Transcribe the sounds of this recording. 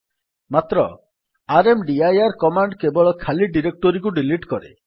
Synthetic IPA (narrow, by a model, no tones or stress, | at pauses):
mat̪ɾɔ | aɾemɖiajaɾkɔmaɳɖkebɔɭɔkʰaliɖiɾek̚ʈɔɾikuɖiliʈkɔɾḛ